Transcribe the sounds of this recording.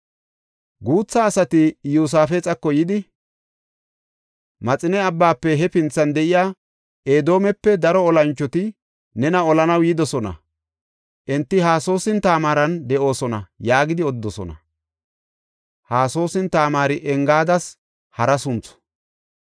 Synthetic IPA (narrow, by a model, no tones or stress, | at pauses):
ɡuːt͡sːaːsɐt̪ɪjuːs̬aːfɛt͡sʼɐkːɔjɪd̪ɪ | mɐt͡sʼɪnɛɐbːaːpːɛɦɛpɪnt͡sːɐnd̪ɛʔɪjaː | ʔeːd̪o̞ːmɛpːɛd̪ɐɾɔːlɐnt͡ʃːɔt̪ɪ | nɛnɐɔlɐnɐwjɪːd̪ɔsɔnɐ̰ | ʔɛnt̪ːɪhaːso̞ːsɪnt̪aːmaːɾɐnd̪ɛʔo̞ːsɔnɐ̰jaːɡɪd̪ɪɔd̪ːɔsɔ̰nɐ̰ | haːso̞ːsɪnt̪aːmaːɾɪʔɛŋɡaːd̪ɐs | hɐɾɐsʊnt͡sɔ̥